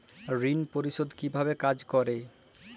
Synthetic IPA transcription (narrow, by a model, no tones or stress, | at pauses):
ɾinpoɾiʃod̪kibʱabekad͡ʑkɔɾe